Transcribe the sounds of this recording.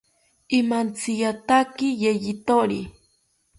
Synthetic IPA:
ɪmant͡sɪjat̪akɪjeʎɪt̪oɾi

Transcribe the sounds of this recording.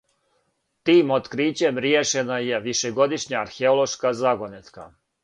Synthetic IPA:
t̪iːmot̪kɾiːt͡ɕe̞mɾjeʃenaje̞ʋiʃeɡo̞d̪iʃɲaːɾxeolˠo̞ʃkazaɡonet̪ka̰

